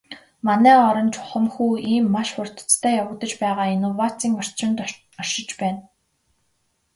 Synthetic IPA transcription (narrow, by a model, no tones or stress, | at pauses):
manæːɔɾɞ̆nt͡ɕʊχə̆mxuːiːmːaʃxʊr̥ʲt̪̆ʰt͡st̪ʰæːjawə̆kt̪ə̆t͡ɕpæːʁaːinuwat͡siːŋɔr̥t͡ɕɪ̆nt̪ | ɔ̥ʃɪ̆t͡ɕpæːn